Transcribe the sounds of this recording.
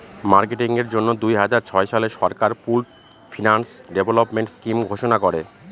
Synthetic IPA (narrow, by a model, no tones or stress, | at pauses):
maɾkeʈiŋeɾd͡ʑonːod̪ujɦad͡ʑaɾt͡ɕʰɔeʃaleʃɔɾkaɾpulʈ | fʰinansɖebʱolopmeɳʈskimɡʱoʃonakoɾe